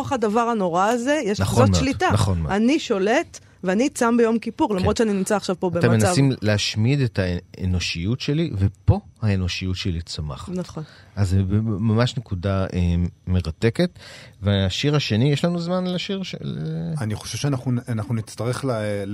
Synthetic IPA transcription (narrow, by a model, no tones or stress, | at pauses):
χadavaʁano̞ʁaːze̞jeʃnaχomʃlitanaχonmaniʃo̞let | veanit͡sambejo̞mkipuʁlamott͡ʃeaninimt͡saχʃavpo̞btemtemenasaimleaʃmidetaḛno̞ʃijutʃelivepo̞haeno̞ʃijutʃelit͡sama̰χanaχon | azbmamaʃnekudaeme̞ʁate̞ketveaʃiʁaʃe̞nijeʃlanuzmanlaʃiʁʃeleaniχoʃev̥ʃeanaχnuanaχnunit͡stɐʁeχla